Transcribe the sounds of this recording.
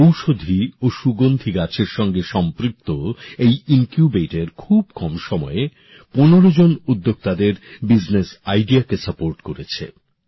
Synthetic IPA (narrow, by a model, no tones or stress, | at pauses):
owʃod̪ʱioʃuɡond̪ʱiɡat͡ɕʰeɾʃɔŋɡeʃɔmpɾik̚t̪oejiŋkjubeʈeɾkʰub̚kɔmʃɔmɔe | ponoɾod͡ʑonud̪ːoɡ̚t̪ad̪eɾbid͡ʑnesajɖiakesəpoɾʈkoɾet͡ɕʰḛ